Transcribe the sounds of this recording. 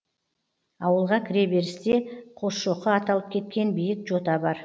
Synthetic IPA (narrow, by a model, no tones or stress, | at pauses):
ɑwəlˠʁɑkʲʰɪɾe̞be̞ɾɪst̪e̞qʰo̞sʃoqəɑt̪ɑlˠəp̚kʲʰe̞t̪̚kʲe̞nbijɪk̚ʒo̞t̪ɑbɑɾ